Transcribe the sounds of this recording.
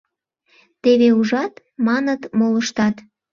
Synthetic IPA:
t̪eβeuʒɑt̪ | mɑnət̪moləʃt̪ɑt̪

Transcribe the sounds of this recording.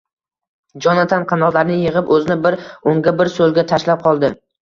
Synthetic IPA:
d͡ʒɒnat̪ʰanqʰɑnɒʁlaɾnɪjɪʁɪpɵzɪnɪbɪɾoŋɡʲabɪɾsolˠɡʲat̪ʰaʃlap̚qʰɒlˠd̪ɪ

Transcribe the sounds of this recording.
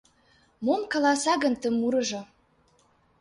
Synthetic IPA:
momkɑlɑsɑɣə̆nt̪ə̆muɾɤ̆ʒɤ̆

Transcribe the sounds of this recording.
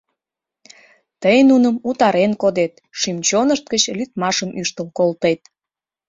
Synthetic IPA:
t̪əjnunəmut̪ɑɾenkod̪et̪ | ʃimt͡ɕonəʃt̪̚ɡət͡ɕlyt̪mɑʃəmʔyʃt̪əlkolt̪et̪̚

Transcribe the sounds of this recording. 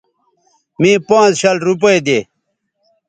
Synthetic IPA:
mĩːpãːt͡sɕɐlɾup̬ɐjd̪eː

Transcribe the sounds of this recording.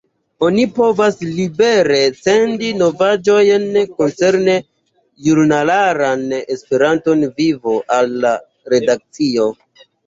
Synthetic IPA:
o̞nipo̞vaslibe̞ɾe̞se̞ndino̞vad͡ʒo̞jnko̞nse̞ɾne̞ | juɾnalaɾanespe̞ɾanto̞nvivo̞ʔalːa | ɾe̞dak̚t͡sio̞

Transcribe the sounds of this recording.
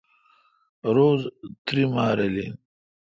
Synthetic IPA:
ɾoːzt̪ɾimaːɾeli

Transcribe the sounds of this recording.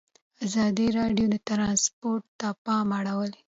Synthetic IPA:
azɑd̪iɾɑɖjod̪at̪ɾɑnspoɾʈ̚t̪apɑmaɽawəl

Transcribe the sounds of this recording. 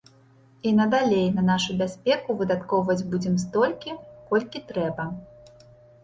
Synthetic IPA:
inɐd̪alʲejnɐnaʂubʲasʲpʲɛkuvɨd̪at̪kɔwvɐd͡zʲbud͡zʲɛms̬t̪ɔlʲkʲikɔlʲkʲit̪ɾɛbɐ

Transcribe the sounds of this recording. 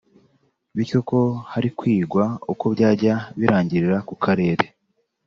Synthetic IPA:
βiɾco̞ko̞haɾikwiːɡwauko̞βɟaːɾɟaβiɾaːɲɟiɾiɾakukʰaɾe̞ːɾe

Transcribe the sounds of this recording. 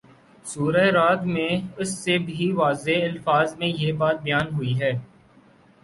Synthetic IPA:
suːɾaeɾaːt̪mẽʊsːebʱiʋaːzeɪlfaːzmẽjeːbaːt̪̚bɐjaːnɦʊiɦɛː

